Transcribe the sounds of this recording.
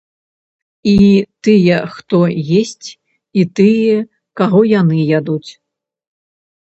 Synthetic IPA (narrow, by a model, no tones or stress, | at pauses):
it̪ɨjɛxt̪ɔjesʲt͡sʲ | it̪ɨjɛ | kaɣɔjanɨjad̪ut͡sʲ